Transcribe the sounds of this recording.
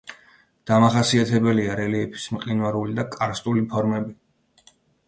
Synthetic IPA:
d̪̥amaχasiat̪ʰɛbɛliaɾɛliɛpʰi̥smqʼinwaɾulid̪akʼaɾst̪ʼulipʰɔɾmɛbi

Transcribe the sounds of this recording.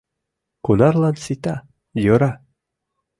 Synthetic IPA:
kunɑrlɑnsit̪ɑ | joɾɑ

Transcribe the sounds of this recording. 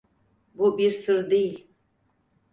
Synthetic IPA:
bubiɾsɨɾd̪i

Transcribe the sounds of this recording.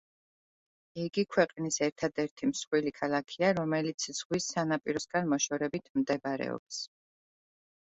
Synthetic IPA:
iɡikʰwɛqʼnisɛɾt̪ʰad̪ɛɾt̪ʰimsχwilikʰalˠakʰiaɾɔmɛlit̪sʰz̥ʁwisanapʼiɾɔsɡanmɔʃɔɾɛbit̪ʰmd̪ɛbɾɛ̰ɔ̰ps

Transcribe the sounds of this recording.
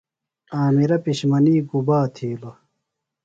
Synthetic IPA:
aːmiɾɐpiɕmɐniːɡubaːt̪ʰiːlo

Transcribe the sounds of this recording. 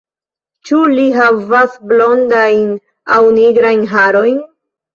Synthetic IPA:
t͡ʃuliɦavasblo̞ndajn | awniɡɾajnɦaɾo̞jn

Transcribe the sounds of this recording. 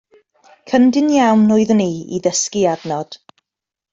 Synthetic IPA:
kʰəndɪnjawnʊɨðniːḭðəskiadnɔd̥

